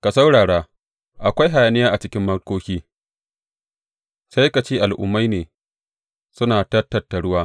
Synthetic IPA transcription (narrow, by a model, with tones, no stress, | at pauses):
ka˨sɐ˦wɽaː˨ɽaː˦ | ʔa˨kʷa˦jɦa˨ja˨nɪ˦jaː˦ʔa˨t͡ʃɪ˦kʲɪ˦mːɐ˦rkoː˦kʲiː˦ | sa˦jka˨t͡ʃeː˦ʔa˨lʔʊ̰˦mːa˦jneː˨ | sʊ˦naː˨tɐ˦tːɐ˨tːa˨ɽʊ˦waː˦